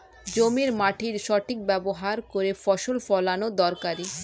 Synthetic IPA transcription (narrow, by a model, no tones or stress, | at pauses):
d͡ʑomiɾmaʈʰiɾʃɔʈʰik̚bɛboɦaɾkoɾefɔʃolfɔlanod̪ɔɾkaɾi